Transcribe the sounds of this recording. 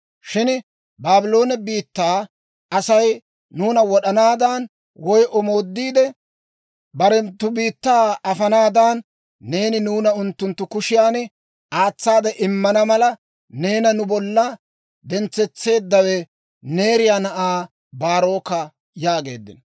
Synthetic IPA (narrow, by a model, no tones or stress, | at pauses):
ʃɪn | baːbɪlo̞ːnɛbiːt̪ːaː | ɐsɐj | nuːnɐwɔɗɐnaːd̪ɐn | wɔjʔɔmo̞ːd̪ːiːd̪ɛ | bɐɾɛnt̪ːʊbiːt̪ːaːɐfɐnaːd̪anː | e̞ːnɪnuːnɐʊnt̪ːʊnt̪ːʊkʊʃɪjaːnɛ | aːt͡sːaːd̪ɛʔɪmːɐnɐmɐlɐ | ne̞ːnɐnʊbɔlːɐ | d̪ɛnt͡sːɛt͡sːe̞ːd̪ːɐwɛ | ne̞ːɾɪjaːnɐʔaː | baːɾo̞ːkːɐ | jaːɡe̞ːd̪ːɪ̰n